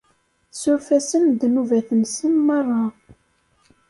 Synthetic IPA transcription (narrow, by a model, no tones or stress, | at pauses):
sʊɾfæsənd̪nuvæθəmsənmɑrˤːɑ